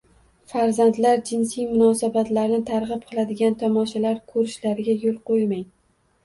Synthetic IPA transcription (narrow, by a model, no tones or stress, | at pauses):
faɾzant̪laɾd͡ʒɪnsijmʊnɒsabat̪laɾnɪt̪ʰaɾʁɨp̚qʰɨlˠad̪ɪɡʲant̪ʰɒmɒʃalaɾkʰɵɾɪʃlaɾɪɡʲajolˠqojmaj